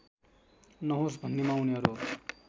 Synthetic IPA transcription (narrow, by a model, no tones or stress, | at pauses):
nʌɦosbʱʌnːemawneɦʌɾu